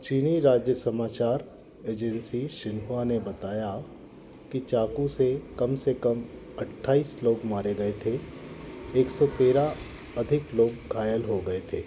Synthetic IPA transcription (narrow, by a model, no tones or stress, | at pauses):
t͡ʃiːniɾaːd͡ʒjəsɐmaːt͡ʃaːɾ | eːd͡ʒɛ̃nsiʃɪnɦuanebɐt̪aːja | kit͡ʃaːkũsekɐmsekɐm | ɐʈʰːaːiːsloːɡmaːɾeɡɐet̪ʰe | eːksɔt̪eːɾa | ɐd̪ʱɪkloːɡɡʱaːjəlɦoɡɐet̪ʰeː